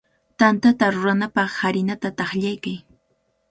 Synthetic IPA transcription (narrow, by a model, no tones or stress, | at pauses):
t̪ant̪at̪aɾʊɾanapɑχhaɾɪnat̪at̪ɑχʎajkaj